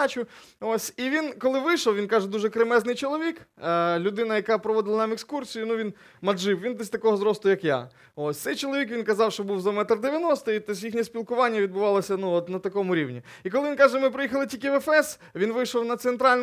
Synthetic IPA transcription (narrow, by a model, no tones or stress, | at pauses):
t͡ʃʲʊosʲiʋʲinkɔlˠɪʋɪjʃɔwʋʲinkɑʒɛd̪uʒɛkɾemɛznɪjt͡ʃɔlˠɔʋʲiklʲʊd̪ɪnɐjɐkɑpɾɔʋɔd̪ɪlˠɐnɑmekskursʲijʊnuʋʲin | mɐʒɪwʋʲind̪ɛsʲt̪ɐkɔɦɔzɾɔst̪ˠʊjɐkja̰ | osʲt̪sɛjt͡ʃɔlˠɔʋʲikʋʲinkɐzɑwʃt͡ʃɔbuwzɐmɛt̪ɐrd̪eʋʲjɐnɔst̪ɪit̪ɔs̬ʲjixnʲisʲpʲilˠkʊʋɑnʲːɐʋʲid̪̚bʊʋɑlˠɐsʲɐnuɔt̪nɐt̪ɐkɔmʊɾʲiwnʲḭ | ikɔlˠɪʋʲinkɑʒɛmɪpɾɔjixɐlˠɪtʲilʲkʲɪʋɛfɛs | ʋʲinʋɪjʃɔwnɐt̪sent̪ɾɑlʲn